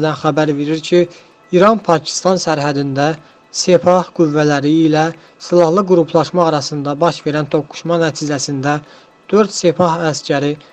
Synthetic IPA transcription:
d̪ænxæbæɾve̞ɾiɾcʰi | iɾɑnpʰɑcʰi̥st̪ɑnsæɾɦæd̪ind̪æ | se̞pʰɑhɡ̥uvːælæɾiːlæ | silˠɑhlˠɯɡuɾupʰlˠɑʃmɑːɾɑsɯnd̪ɑbɑʃve̞ɾænt̪ʰo̞kːu̥ʃmɑnæt̪ʰizæsind̪æ | d̪̥øɾd̪se̞pʰɑɦæscʰæɾi

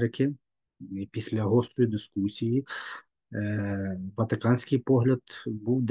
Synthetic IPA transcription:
ɾɪkʲɪ | ipʲisʲlʲɐɦɔst̪ɾɔjid̪ɪskusʲiji | ʋɐt̪ɪkɑnʲsʲkɪjpɔɦlʲɐd̪buwd̪

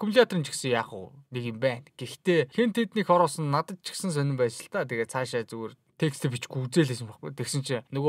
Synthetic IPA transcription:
kʰumɮʲat̪rĭnt͡ɕʰi̥ksɘ̆ŋjaːχə̰ːnekɪ̆mpæːnɡ̥ext̪eːxent̪ʰet̪niːkχɔɾɔːsə̆nːat̪ə̆t̪̚t͡ɕʰi̥ksə̆ns̬œnʲɪ̆mpæːsə̆ɬt̪aːt̪ʰeɣeːt̪̚t͡sʰaːʃaːt͡suɣeːr | t̪ʰekst̪ipit͡ɕɡuːt͡seːɮeːs̬ɘ̆mpɔχɡṵjt̪ʰeksɘ̆nt͡ɕʰĭnɵɣo

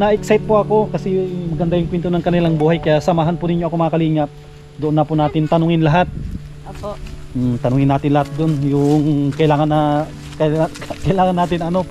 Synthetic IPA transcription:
nɐʔɛksajt̪̚poʔɐko̞kɐsɛmɐɡɐnd̪ajʊŋkwɛnt̪onɐŋkɐnɪlaŋbuːhɐjkɐjasɐmaːɦɐnpʊnɪɲːoɐko̞mɐŋɐkɐliːŋɐp̚ | d̪oʔonːɐpʊnaːt̪ɪnt̪ɐnʊŋɪnlɐɦat̪̚ː | t̪ɐnʊŋɪnːaːt̪ɪnlɐhat̪̚d̪onjʊŋkɐʔɪlaːŋɐnɐ | kɐkɐɪlaːŋɐnːaːt̪ɪnɐno̞

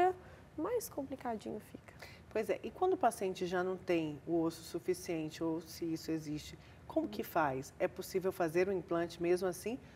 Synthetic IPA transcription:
ɐ | majskõplikad͡ʒḭ̃ɲʊfikɐ̥ | pojzɛ̰ʔɪkwɐ̃nd̪ʊpasiẽnt͡ʃɪʒanɐ̃w̃t̪ẽj̃ʊosʊ̥sufisiẽnt͡ʃɪowsɪisʊezist͡ʃɪ | kõmʊkɪfajsɛposivewfazeɾʊĩplɐ̃nt͡ʃɪmezmʊasĩ

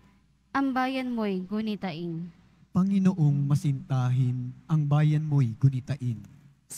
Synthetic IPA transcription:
ʔɐŋbaːjɐnmojɡʊnit̪ɐʔin | pɐŋɪnoʔoŋmɐsɪnt̪aːɦɪnɐŋbaːjɐnmojɡʊnit̪ɐʔɪn

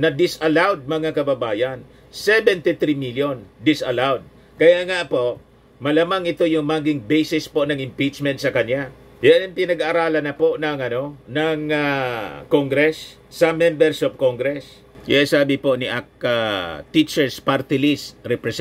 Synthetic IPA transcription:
nɐd̪ɪsʔɐlawd̪̚mɐŋakɐbɐbaːjan | sɛbɛnt̪ɪt̪ɾimiljond̪ɪsʔɐlawd̪̚ | kɐjaʔŋaʔpo̞ʔ | mɐlamaŋɪt̪o̞jʊŋmaːɡɪŋbɛjsɪspo̞nɐŋɪmpit͡ʃmɛnt̪̚sɐkɐnja | jaaŋpɪnɐɡaɾaːlɐnɐpo̞ʔnɐŋʔɐno̞nɐŋakoŋɡɾɛsː | ɐmɛmbɛɾsop̚koŋɡɾɛs | jasaːbɪpo̞ʔnɪʔak̚ːat̪it͡ʃɛɹspaɾt̪ɪlɪst̪ɾɛpɾɛs

